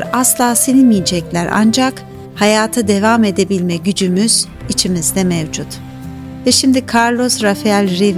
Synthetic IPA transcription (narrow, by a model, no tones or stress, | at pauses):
ɾaslˠaːsenimijd͡ʒɛclʲæɾʔa̰nd͡ʒak | hajaːt̪ʰɯd̪e̞vame̞d̪e̞bilʲmɛɟyd͡ʒymyz̥ | it͡ʃʰimizd̪ɛmevd͡ʒut̪ | vɛʃimd̪ikʰaɾlˠo̞sɾafeælʲɾiv